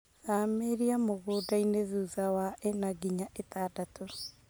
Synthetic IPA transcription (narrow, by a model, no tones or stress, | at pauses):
ameɾiamoɣoːdaineðuːðawaʔenaɣiɲaetadato